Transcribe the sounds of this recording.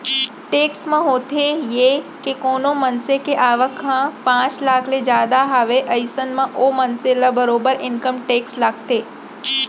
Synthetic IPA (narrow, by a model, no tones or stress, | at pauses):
ʈeːksmãɦoːt̪ejekekoːnomənsekeʔaːʋəkʰãpãːt͡ʃlaːkʰled͡ʒaːd̪aɦaːʋeʔəɪsənmãʔoːmənselabəɾoːbəɾɪ̃nkəmʈeːkslaːɡt̪eː